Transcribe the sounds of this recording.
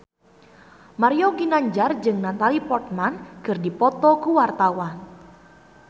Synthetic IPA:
maɾioɡinaɲd͡ʒard͡ʒɨŋnat̪alipɔrt̪̚manɡ̥ərdipɔt̪ɔkuwart̪awan

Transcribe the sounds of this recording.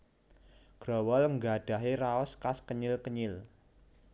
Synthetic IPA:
ɡ̥ɾɔ̤wɔlŋɡaɖ̥a̤ɦeɾaɔskaskəɲɪlkəɲɪl

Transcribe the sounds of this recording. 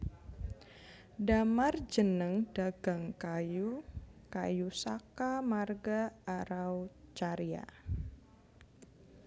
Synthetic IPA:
damard͡ʒənəŋd̥aɡ̥aŋkajuka̰jusakamarɡaːɾawt͡ʃaɾia̰

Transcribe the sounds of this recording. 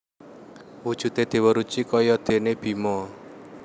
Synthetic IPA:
wud̥ʒ̥ṳt̪ed̪̥e̤wəɾut͡ʃikɔjɔd̪̥e̤neb̥i̤mɔ

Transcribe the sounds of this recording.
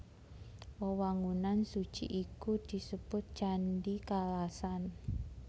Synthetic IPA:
wowaŋunansud̥ʒ̥ḭʔikud̪̥i̤səb̥ʊt̪̚ʒ̥anɖikalasan

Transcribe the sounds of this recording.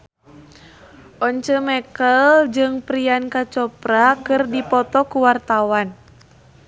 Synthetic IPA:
ʔɔɲt͡ʃəmɛkəld͡ʒɨŋpɾiankat͡ʃɔpɾakɨrdipɔt̪ɔkuwart̪awan

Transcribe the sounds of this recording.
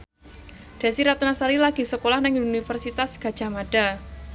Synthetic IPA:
d̥a̤siɾat̪nasaɾilaɡ̥i̤səkolahnɛŋunifərsit̪asɡ̥a̤̥d͡ʒ̥a̤maɖ̥a

